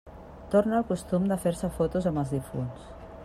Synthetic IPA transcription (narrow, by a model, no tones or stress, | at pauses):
t̪oɾnəːlˠkust̪umd̪əfeɾsəfot̪uzəməlˠzðifuns